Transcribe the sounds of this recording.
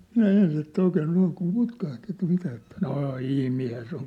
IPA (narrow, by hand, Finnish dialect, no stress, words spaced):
minæ ens etːæ oikeː noiŋ kum putkɑht etːæ̆ mitæ etːæ noː ihmiːnhæ se oŋ